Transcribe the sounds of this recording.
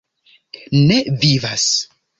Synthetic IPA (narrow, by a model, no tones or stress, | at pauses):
nevivas